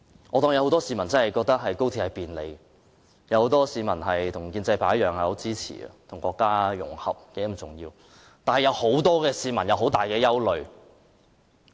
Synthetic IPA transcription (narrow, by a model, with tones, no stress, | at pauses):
ʔɔː˨˧t̪ɔː˧ŋjɐ˨˧who˨˥t̪ɔː˥siː˨˧mɐ˨˩nt͡sɐ˥nhɐ˨jkɔː˧k̚t̪ɐ˥k̚ɦɐ˨jko˥wt̪ʰːhɐ˨jpiː˨˩nlḛ˨˧j | jɐ˨˧who˨˧wt̪ɔː˥siː˨˧mɐ˨˩nɦɐ˨jt̪ʰʊ˨˩ŋkiː˧nt͡sɐ˧jpʰaː˨˥jœː˨ŋhɐ˨ho˨˥t͡siː˥t͡sʰḭː˨˩ɐ̰˧t̪ʰʊ˨˩ŋkɔː˧kːaː˥jʊ̰˨˩ŋhɐ̰˨p̚kɛ˨˧˥m̩˨˩t͡sʊ˨ŋjiː˧w | t̪aː˨nhɐ˨jɐ˨˧who˨˥wt̪ɔː˥kɛː˧siː˨˧mɐ˨˩njɐ˨˧wɦo˨˥wt̪aː˨˩jkɛː˧jɐ˥wlɵ˨ɥ